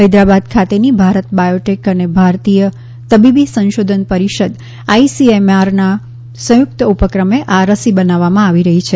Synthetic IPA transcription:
ɦəjd̪ɾabad̪kʰat̪enibʱaɾət̪bajoʈekənebʱaɾt̪ijə | t̪əbibisə̃nʃod̪ʱənpəɾiʃəd̪ | aisiemaɾna | sə̃juk̚t̪əupəkɾəmeʔaɾəsibənaʋːamãaʋiɾəɦit͡ʃʰe

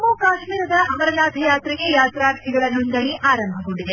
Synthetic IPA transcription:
muːkaːʃmiːɾɐd̪ɐʔɐmɐɾɐnaːt̪ɐjaːt̪ɾiɡe̞jaːt̪ɾaːɾt̪ʰiɡɐɭɐɦɐnd̪ɐɳiʔaːɾɐmbʱɐɡo̞ɳɖid̪e

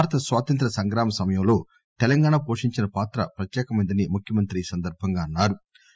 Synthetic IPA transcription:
bʱaːɾɐt̪ɐsʋaːt̪ɐnt̪ɾɐsɐŋɡɾaːmɐsɐmɐjɐmlo̞ː | t̪ɛlɐŋɡaːɳaːpoːʂiɲt͡ʃinɐpaːt̪ɾɐpɾɐt̪jɛːkɐmɐnd̪ɐnimukʰjɐmɐnt̪ɾiːsɐnd̪ɐɾbʱɐŋɡaːnːaːɾu

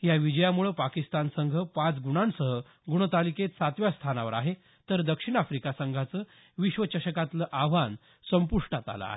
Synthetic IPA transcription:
jaʋid͡ʑəjamuɭəpakist̪ansəŋɡʱəpat͡sɡuɽ̃ansəɦə | ɡuɽ̃ət̪aliket̪sat̪ʋjast̪ʰanaʋəɾa̰ɦe | t̪əɾd̪əkʂiɽ̃afɾikasəŋɡʱat͡sə | ʋiɕʋət͡ɕəɕəkat̪ləʔaʋan | səmpuʂʈat̪a̰la̰a̰

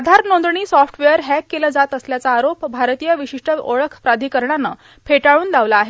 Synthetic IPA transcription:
ad̪ʱaɾnond̪ɾəɳiːsɔfʰʈʋejəɾɦækːeləd͡zat̪əsljat͡saːɾopbʱaɾt̪ijəʋiɕiʂʈʰəoɭəkʰpɾad̪ʱiːkəɾɳanːə̰ | pʰeʈaɭuːnd̪aʋlaːɦe

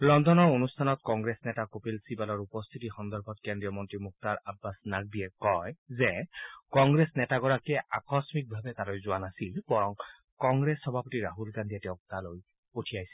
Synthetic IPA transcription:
lɔndɔnɔɹonustʰanɔtkɔŋɡɹesnɛtakopelsibalɔɹupɔst̪ʰitixɔnd̪ɔɹbʱɔtkendɹijɔmɔntɹimuk̚taɹabːasnak̚biɛkɔjzɛkɔŋɡɹesnɛtaɡɔɹakɛakɔsmik̚bʱabɛtalojzʊwanasilbɔɹɔŋ | kɔŋɡɹesːɔbʱapotiɹaɦulɡandʱiɛtɛʊ̃k̚taloj | potʰiajsɛ̥

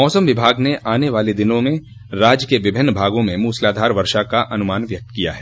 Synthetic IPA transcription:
mɔːsəmʋɪbʱaːɡneʔaːneʋaːled̪ɪnõmẽ | ɾaːd͡ʒkeʋɪbʱɪnːbʱaːɡõmẽmuːslaːd̪ʱaːɾʋɐɾʃakaʔɐnʊmaːnʋjɐk̚t̪kija̰ɦɛː

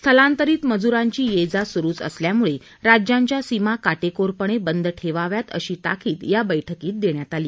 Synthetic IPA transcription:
st̪ʰəlãnt̪əɾiːt̪məd͡zuɾaɲt͡ɕiːjed͡zasuɾuːt͡sə̰sljamuɭe | ɾad͡ʑjaɲt͡ɕjasimakaʈekoɾpəɳ̃ebənd̪ʱʈʰeʋaʋjat̪ə̰ɕiːt̪a̰kʰiːt̪jabəjʈʰəkiːt̪̚d̪eɳjat̪aliː

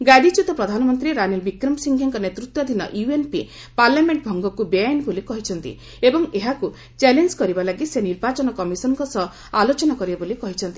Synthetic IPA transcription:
ɡad̪it͡ʃut̪ɔpɾɔd̪ʱanɔmɔnt̪ɾiɾanilbikɾɔmsiŋɡʱɔŋkɔnet̪ɾut̪wɔd̪ʱinɔ̰ʔjuenpi | paɾljameɳʈbʱɔŋɡɔkubeanbolikɔɦit͡ʃʰɔnt̪ḭ | ebɔŋeɦaku | t͡ʃelend͡ʒkɔɾibalaɡiseniɾbat͡ʃɔnɔkɔmisɔnɔŋkɔsɔ | alot͡ʃɔnakɔɾibebolikɔɦit͡ʃʰɔnt̪i̥

